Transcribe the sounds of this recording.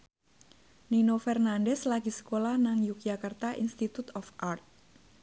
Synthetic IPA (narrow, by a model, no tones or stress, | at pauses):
ninofɛrnandɛslaɡisə̥kolahnaŋjuk̚d͡ʒakart̪aʔḭnst̪it̪ut̪ɔfʔart̪̚